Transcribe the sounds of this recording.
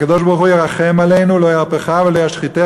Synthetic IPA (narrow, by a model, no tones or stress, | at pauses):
kad̪oʃbaʁχujeʁaχemalejnulojaʁpeχavelojaʃχit̪e